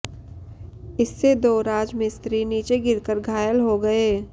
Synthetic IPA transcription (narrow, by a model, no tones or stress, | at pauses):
ɪsːed̪oːɾaːd͡ʒmẽst̪ɾiːniːt͡ʃeɡɪɾkəɾɡʱaːjəlɦoɡɐeː